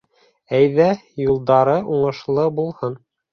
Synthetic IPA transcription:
æjðæjulˠd̪ɑɾɤʔuɴɤ̆ʃlˠɤbulˠhɤn

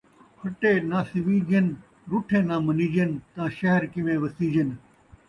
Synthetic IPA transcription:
hʰɐʈeːnãːsɪʋiːd͡ʒen | ɾʊʈʰẽːnãːmɐniːd͡ʒent̪ãːʃɐɦəɾkɪmẽːʋɐsiːd͡ʒən

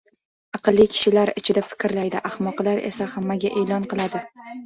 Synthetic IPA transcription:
ɑqɨlˠːikʲʰɪ̥ʃɪlaɾɪt͡ʃʰɪd̪afɪ̥kʲɾlajd̪ɪʔahmɒqlˠaɾʔe̞̰sahamːaɡʲaʔe̞lɒnqɨlˠad̪ɪ

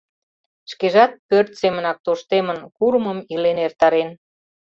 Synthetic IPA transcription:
ʃkeʒɑt̪̚pørt̪semənɑk̚t̪oʃt̪emənkuɾməmilenert̪ɑɾen

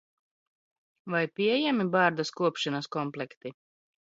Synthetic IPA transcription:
vajpʲiɛjæmibaːɾd̪askuɔpʃanɐskɔmplʲˠɛkt̪i

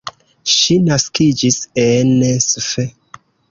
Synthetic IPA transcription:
ʃinaskid͡ʒisenesfe

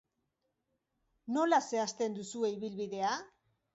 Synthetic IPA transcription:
no̞lase̞ast̪e̞nd̪usue̞iβilβiðe̞a

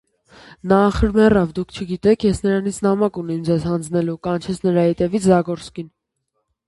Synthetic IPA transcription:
nɑχəɾmɛrɑvd̪ukʰt͡ʃʰəɡit̪ɛkʰjɛsnəɾɑnit͡sʰnɑmɑkunɛmd͡zɛzhɑnd͡znɛlukɑnt͡ʃʰɛt͡sʰnəɾɑhɛt̪ɛvit͡sʰzɑɡɔɾt͡skin

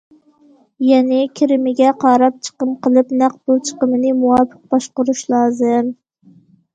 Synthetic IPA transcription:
jɛnɪkʲʰɪɾɪmɪɡʲɛqʰɑɾɑp̚t͡ʃʰə̥qəmqʰəlˠɨpnæq̚bolˠt͡ʃʰə̥qəmɨnɪmuwɑpʰə̥q̚bɑʃqʊɾuʃlˠɑːzɨm

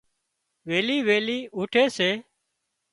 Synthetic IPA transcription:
ʋeːliːʋeːliːuːʈʰeːseː

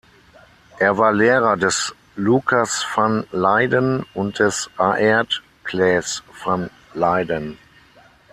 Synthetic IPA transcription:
ʔeːɐvaːɐleːʁɐdɛs | lukʰasfanlaɪdənʊnt̚d̥ɛsʔaʔɛɐt | kʰlɛːsfan | laɪdən

